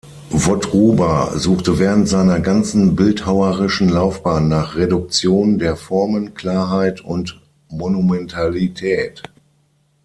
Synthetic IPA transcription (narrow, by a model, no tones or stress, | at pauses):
vɔtʁuːbazuːχtəvɛːʁ̞əntz̥aɪnɐɡant͡sn̩bɪlthaʊəʁɪʃn̩laʊfb̥aːnːaːχʁedʊk̚t͡sjoːndeːɐfɔɐmənkl̥aːɐɦaɪtʊnt | monumɛntʰalitʰɛːt